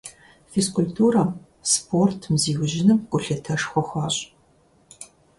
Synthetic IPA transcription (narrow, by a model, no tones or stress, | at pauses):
feskʊlʲtʰuːɾɐm | spʰoːrtʰmziːwʒɪnɨmkʷʼʊɬɐtʰɐʂxʷɔxʷɑːɕʼ